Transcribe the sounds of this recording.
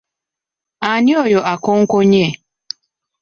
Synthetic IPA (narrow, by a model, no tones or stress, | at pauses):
aɲɪojɔʔakoŋ̩koɲe